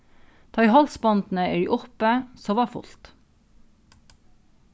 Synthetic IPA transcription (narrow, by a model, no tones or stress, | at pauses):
t̪ʰɑɪhɑlsbɑnd̪n̩əœʏʔʊpəsoːʋɑːfʊ̰lt̪